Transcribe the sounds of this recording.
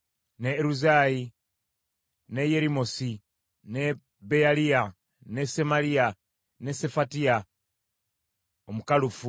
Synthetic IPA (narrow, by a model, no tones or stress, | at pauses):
neːɾuzaːji | nejeɾimosi | ne | bealia | nesemalia | ne̞se̞fatia | omukalufu